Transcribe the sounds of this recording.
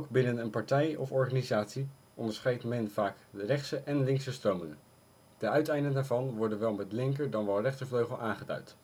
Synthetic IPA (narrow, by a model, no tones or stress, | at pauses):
owkbɪnənənpɑɹtɛjɔ̰fɔɹχaːnizaːtsi | ʔɔndəɹsχɛjtmɛnvaːkdərɛχtsəʔɛnlɪŋksəstrowmɪŋən | d̥əœɥtɛjndəndaːɹvɑnʋɔɹdənʋɛlˠmɛtlɪŋkəɹdɑnʋɛlˠrɛχtəɹvløɥχəlˠʔaːnχədœ̰ɥt